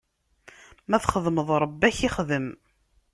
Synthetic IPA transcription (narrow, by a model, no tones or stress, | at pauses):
mæθχəðməðˤɾˤəbːæçiχðəm